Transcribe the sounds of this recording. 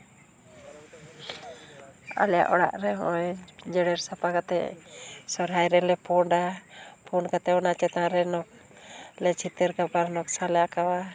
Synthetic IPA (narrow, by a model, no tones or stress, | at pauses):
a̰lɛja̰ʔɔɽa̰ʔɾɛɦɔ̰jd͡ʒɛɽɛɾsapakat̪ɛ̰sɔɾɦajɾɛlɛpɔɳɖapʰɔnkat̪ɛɔnat͡ʃɛt̪aɾɛnɔk̚ | lɛt͡ʃʰit̪əɾkapaɾnɔk̚salɛjaʔkawa